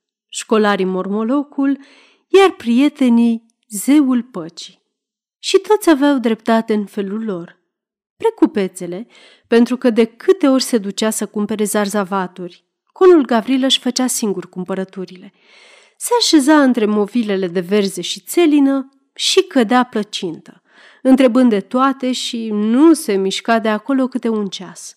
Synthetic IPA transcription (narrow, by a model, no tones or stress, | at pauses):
ʃko̞laɾimo̞rmo̞lo̞kul | jarpɾije̞t̪e̞ni | ze̞ulpət͡ʃi̥ | ʃit̪o̞t̪sʲaveawd̪ɾe̞pt̪at̪e̞ɨnfe̞lulːo̞r | pɾe̞kupe̞t̪se̞le̞ | pe̞nt̪ɾukəd̪e̞kʰɨt̪e̞o̞rʲse̞d̪ut͡ʃasəkumpe̞ɾe̞zarzavat̪urʲ | ko̞nulɡavɾiləʃfət͡ʃasiŋɡurʲkumpəɾət̪uɾile̞ | se̞aʃe̞zaɨnt̪ɾe̞mo̞vile̞le̞d̪e̞ve̞rze̞ʃit̪se̞linə | ʃikəd̪eaplət͡ʃint̪ə̥ | ɨnt̪ɾe̞bɨnd̪e̞t̪oat̪e̞ʃinuse̞miʃkad̪e̞ako̞lo̞kɨt̪e̞unt͡ʃas